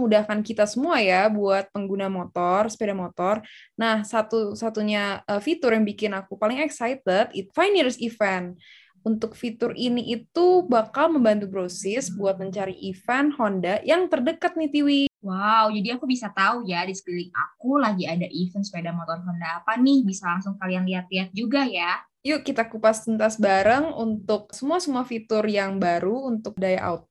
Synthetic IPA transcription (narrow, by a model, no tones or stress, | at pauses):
əŋudahkankit̪asəmuajabuat̪̚pəŋɡunamot̪ɔrspedamot̪ɔrnahsat̪usat̪uɲaəfit̪ʊrjaŋbikɪnakupalɪŋɛksajt̪ət̪it̪fajniɾsifɛn | unt̪ʊk̚fit̪ʊriniʔit̪ubakalməmbant̪̬ubɾosɪsbuat̪̚məɲt͡ʃaɾiʔifɛnhondajaŋt̪ərdəkat̪̚nit̪iwiwawd͡ʒadiakubisat̪aujadisə̥bilɪka̰kulaɡiadaʔifənsə̥pajdamɔt̪ɔnɦɔndaːpanɪhbisalaŋsʊŋkalijaŋliɦat̪̚liɦat̪̚d͡ʒuɡaja | jukit̪akupast̪int̪asbaɾəŋṵnt̪ʊk̚səmuasəmuafit̪ʊrjaŋbaɾuunt̪ʊk̚dajaʔa̰ut̪̚